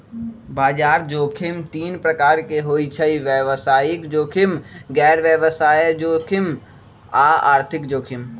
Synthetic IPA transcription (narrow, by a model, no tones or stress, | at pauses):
baːd͡ʒaːɾd͡ʒoːkʰɪmt̪iːnpɾəkaːɾkeɦoːit͡ʃʰəiʋjəʋsaːjɪkd͡ʒoːkʰɪmɡɛːɾʋjəʋsaːjd͡ʒoːkʰɪm | aːa̰ːɾt̪ʰɪkd͡ʒoːkʰɪm